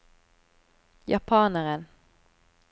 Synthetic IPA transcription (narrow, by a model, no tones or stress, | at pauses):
jɑpʰɑːnəʁən